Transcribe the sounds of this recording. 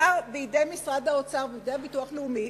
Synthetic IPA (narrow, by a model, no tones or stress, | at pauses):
aʁbeidejmisʁad̪aot͡saʁveid̪ejbituaχleumi